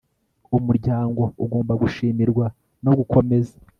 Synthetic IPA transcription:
umuɾɟaːŋɡo̞uɡo̞ːmbaɡuʃiːmiɾɡwa | no̞ɡukʰo̞me̞zḁ

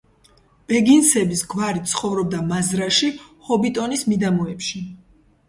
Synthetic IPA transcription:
b̥ɛɡinsɛbisɡvaɾit̪sʰχɔvɾɔb̚d̪amazɾaʃihɔbit̪ʼɔnismid̪amɔɛpʃi

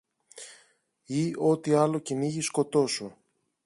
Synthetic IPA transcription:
io̞t̪iɐlo̞ciniʝisko̞t̪o̞su

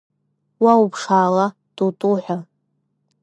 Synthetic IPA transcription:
waupʰʂaːla | d̥utʼuħʷᶣa

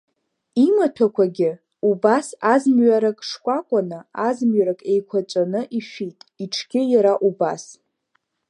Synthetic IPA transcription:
imatʰakʷʰaɡʲɪ | ubasazmɥaɾakʼʂkʷʼakʷʼanɨazmɥaɾakʼe̞jkʷʰat͡ʃʷʼanɨʔiʃᶣitʼiʈ͡ʂʰɡʲɪjaɾaʔubas

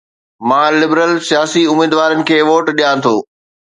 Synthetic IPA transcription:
mãːlɪbɾəlsijaːsiʊmiːd̪ʋaːɾənɪ̆kʰeːʋoːʈɗijãt̪ʰoː

